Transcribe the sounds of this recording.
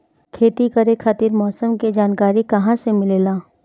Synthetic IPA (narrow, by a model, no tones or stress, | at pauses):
kʰeːt̪ikɐɾekʰaːt̪iɾmɔːsəmked͡ʒaːnkaːɾikɐɦãsemɪleːlaː